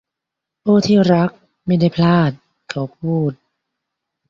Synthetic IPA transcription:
ʔuː˥˩t̪ʰiː˥˩ɾa˦˥k̚ | ma˥˩jda˥˩jpʰlaː˥˩t̪̚ | kʰa˨˦wpʰuː˥˩t̪̚

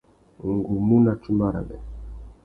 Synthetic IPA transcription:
ŋ˨ɡu˨mu˦na˨t͡ʃu˦ma˦˨ɾa̰˨bɛ̰˨

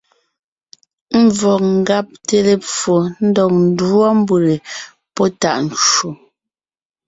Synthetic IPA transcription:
m̩˦˨vɔ˨k̚ŋ̩˨ɡa˦p̚te˨le˨p͡fo˨n̩˦dɔ˨k̚n̩˨dɔ˦m˦bu˨ɾe˨ | pɔ˦ta̰˦˨ʔn̩˨t͡ʃo˨

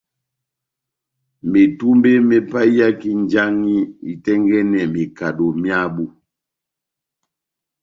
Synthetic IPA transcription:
me˨tu˦mbe˦mɛ˨pa˦i˦ja˦ki˦nd͡ʒa˦ŋi˦i˨tɛ˦ŋɡɛ˦nɛ˨mi˨ka˨do˨mja˦bu˦

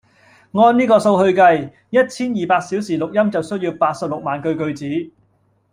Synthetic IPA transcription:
ŋɔː˧nniː˥kɔː˧so˧wɦɵ˧ɥkɐ˧j | jɐ˥t̚t͡sʰiː˥njiː˨˩paː˧k̚siː˨˥wsiː˨˩lʊ˨k̚jɐ˥mt͡sɐ˨wsɵ˥ɥjiː˧wpaː˧t̚sɐ˨p̚lʊ˨k̚maː˨nkɵ˧ɥkɵ˧ɥt͡siː˨˥

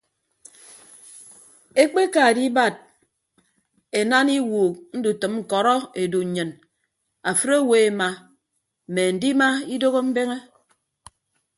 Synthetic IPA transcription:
e˦k͡pe˦ka˨di˦ba˨d̚ | e˨na˦ni˦wuː˨k̚n̩˦du˨tɨ˨mŋ̩˨kɔ˨ɾɔ˦e˨du˨ɲ̩˨ɲɨ˨n | a˨fɨ˦ɾo˦we˨e˨ma˨ | m̩˨me˨n̩˨di˦ma˦i˦do˦ɣo˦m̩˦be˦ŋe˦

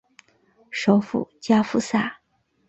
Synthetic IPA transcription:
ʂo˧˥ʊfṵ˨˩t͡ɕja˥fu˥˩sa˥˩

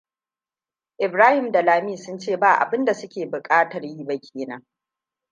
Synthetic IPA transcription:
ʔɪ˨bɾaː˦hɪ˨mda˨laː˨miː˦˨sʊ˦nt͡ʃeː˦˨baː˦˨ʔa̰˨bɪ˦nda˨sʊ˦kʲeː˨bʊ˨kʼaː˦tɐ˨rji˦ba˦kʲʰeː˨nɐ˦ŋ

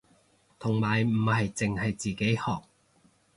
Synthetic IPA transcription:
t̪ʰʊ˨˩ŋmaː˨˩jm̩˨˩hɐ˨jt͡sɪ˨ŋhɐ˨jt͡siː˨ke˨˥jhɔː˨k̚

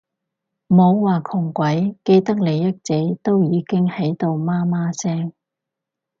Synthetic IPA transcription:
mo˨˧wwaː˨kʰʊ˨˩ŋkʷɐ˨˥jke˧jt̪ɐ˥k̚le˨˧jːɐ˥t̚t͡se˨˥jt̪o˥wjiː˨˧kɪ˥ŋhɐ˨˥jt̪o˨wmaː˥maː˥sɛː˥ŋ

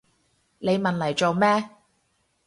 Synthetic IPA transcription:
ne˨˧jmɐ˨nlɐ˨˩jt͡so˨˧wmɛː˥

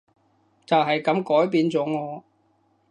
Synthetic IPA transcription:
t͡sɐ˨wɦɐ˨jkɐ˨˥mkɔː˨˥jpiː˨˧nt͡sɔː˨˥ŋɔː˨˧

